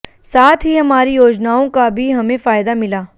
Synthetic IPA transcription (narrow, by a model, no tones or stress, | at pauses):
saːt̪ʰɦiɦɐmaːɾijoːd͡ʒnaːõkabʱiɦɐmẽfaːjd̪amɪlaː